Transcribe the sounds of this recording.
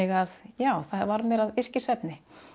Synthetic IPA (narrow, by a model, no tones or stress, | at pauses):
ɪɣaðjaːwθavaɾmɛɾaðɪr̥cɪsɛpnɪ